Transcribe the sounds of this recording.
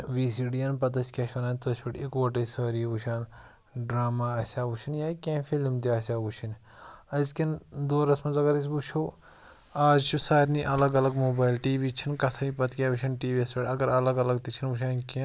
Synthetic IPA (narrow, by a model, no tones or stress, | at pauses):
ʋiːsiɖijɐnpɐt̪ɐsʲkʲɐʃʰɐnaːnt̪ɐːsʲiʈikoːʈɐsəːɾiiʋuʃaːn | ɖɾaːmaːɐsʲaːʋuʃʰinjaːkʲẽːfilmt̪iɐːsʲaːʋut͡ʃʰin | ɐzkind̪oːɾɐsmɐzɐɡɐɾis̬but͡ʃʰo | aːzt͡ʃʰusaːɾniʔɐlɐɡɐlɐɡmoːbaːjlʈiːʋiːt͡ʃʰinkɐt̪ʰɐipɐt̪kʲijaːʋiʃʰɐnʈiːʋiɐspʲeʈɐɡɐɾɐlɐɡɐlɐɡt̪it͡ʃʰinʋuʃ̬aːnkĩ